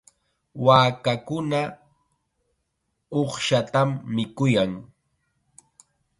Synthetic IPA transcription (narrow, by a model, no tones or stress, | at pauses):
waːkakʊna | oχʃat̪amːɪkʊjaŋ